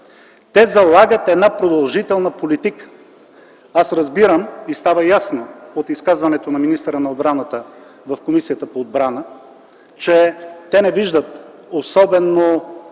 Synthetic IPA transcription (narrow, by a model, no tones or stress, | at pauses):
t̪ɛzɐlˠaɡət̪ɛd̪napɾod̪ɐlˠʒit̪ɛlˠnəpolit̪ikə̥ | asɾɐzbiɾəmist̪avəjasnoot̪iskazvɐnɛt̪onɐminist̪əɾənɐod̪bɾanət̪əvɐfkomisijət̪əpoːd̪̚bɾanə | t͡ʃɛt̪ɛnɛviʒd̪ət̪osɔbɛno